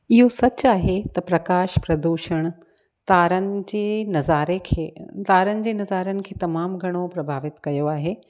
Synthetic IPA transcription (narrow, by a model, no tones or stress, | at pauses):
ɪɦosɐt͡ɕaːɦet̪ɐpɾɐkaːʃpɾɐd̪uːʃəɽ̃ | t̪aːɾənɪ̆d͡ʑeːnɐzaːɾekʰːt̪aːɾənɪ̆d͡ʑeːnɐzaːɾənɪ̆kʰeːt̪ɐmaːmɡʱɐɽ̃opɾɐbʱaːʋɪt̪kɐjoaːɦeː